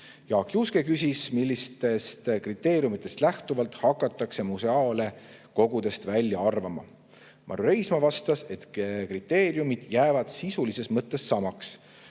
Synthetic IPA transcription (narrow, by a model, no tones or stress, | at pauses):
jɑːkjuskekys̬ʲismilʲːist̪e̞st̪krit̪ːˑe̞ːɾijumit̪ːˑe̞st̪læht̪uvɑlt̪hɑkːˑɑt̪ːˑɑkse̞museɑːle̞ | ko̞ɡ̥ud̪e̞st̪vælʲjɑɑrvɑmɑ̰ | mʔɑ̰ɾuɾe̞jsmɑvɑst̪ɑse̞t̪krit̪ːe̞ːɾjumid̪̥jæːvɑd̪̥sisulise̞smɤt̪ˑːe̞sːɑmɑks